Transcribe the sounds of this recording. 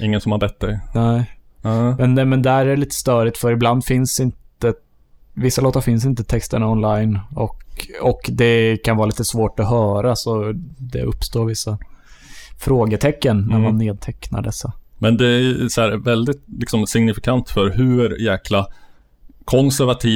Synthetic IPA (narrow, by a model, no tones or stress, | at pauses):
ʔɪŋːənsɔmhaɾbɛt̪ːd̪ɛjnɛ | mɛnmɛnd̪ɛæɾæliːt̪ə̥st̪œːɾɪt̪fœɾɪbland̪fɪnsɪnt̪ə | vɪsːaloːt̪aɾfɪns̬ɪnt̪ət̪ʰɛkst̪əɳaɔnlajnɔkɔkd̪ɛkʰanvɑːɾliːt̪əsvoːʈɔɦœːɾasɔd̪ɛ̰ɵpːst̪oːɾvɪsːa | fɾoːɡət̪ʰɛkːənːæɾmanːeːd̪̚t̪ʰɛkna̰ɖɛsːamɛnd̪ɛæsɔæːɾvɛld̪ɪt̪lɪksɔmsɪŋnɪfɪkʰant̪fœɾɦɵɾjæːkʰla | kʰɔnsæɾvat̪ʰiː